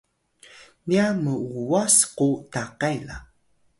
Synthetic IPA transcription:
niaməuasqutaqajla̰

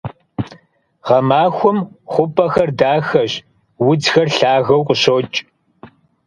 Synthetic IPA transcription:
ʁɐmaːxʷʊmχʷʊpʰʼɐxɐrdaːxɐɕ | wʊd͡zxɐrɬaːɣɐwqʼʊɕoːt͡ʃʼ

